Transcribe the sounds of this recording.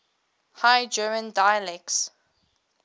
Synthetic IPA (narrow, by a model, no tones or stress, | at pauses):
hajd͡ʒɜmə̃ndajəlɛk̚s